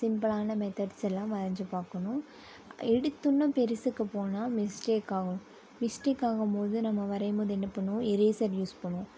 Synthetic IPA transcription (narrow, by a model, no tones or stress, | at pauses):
sɪmpɯlaːnɐmɛt̪ɐɖsɛlːãːʋɐɾɐɲd͡ʒɯpaːkɐɳʊ̃ | ɛɽɯt̪ːɯnːɐpɛɾɪsɯkːɯpoːnaːmɪsʈeːkaːɣɐʊ̃ | mɪsʈeːkaːɣɐmpoːðɯnɐmːɐʋɐɾɐmoːðɯɛnːɐpːɐɳːʊ̃ɛɾeːsɐɾjuːspɐɳːʊ̃